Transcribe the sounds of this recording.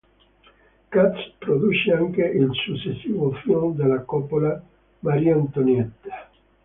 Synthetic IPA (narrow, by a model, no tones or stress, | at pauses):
kat̪spɾod̪ut͡ʃeaŋkeʔilsut͡ʃːesːiːvofjomd̪elːakɔpola | maɾiant̪onɛt̪ːe̥